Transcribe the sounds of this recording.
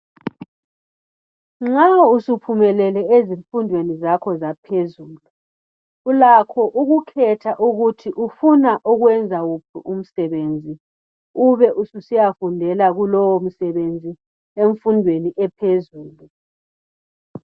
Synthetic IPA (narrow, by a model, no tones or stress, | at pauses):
ŋ͡ǁausupʰumɛlɛlɛeziɱfundʱwenizakʰɔzapʰezuːlu | ulakʰɔʔuɣukʰɛtʰaʔuɣutʰiʔufunaʔuɣwɛnd͡zʱaɣupʰuʔum̩sɛβeːnd͡zʱi | uβɛʔususijafundʱɛlaɣulɔwom̩sɛβend͡zʱi | eɱfundʱweniʔɛpʰezuːlu